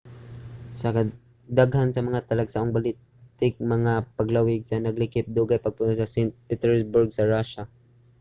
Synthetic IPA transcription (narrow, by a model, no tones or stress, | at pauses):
sɐka | d̪aɡhansɐmɐŋat̪ɐlaɡsaʔoŋbalɪ | t̪ɪk̚mɐŋapɐɡlawɪɡsɐnɐɡlɪkɪp̚d̪uɡajpɐɡ̚pʊnosɐsɛnt̪̚pɪt̪ɛɹsbʊɹɡ̚sɐɹaʃa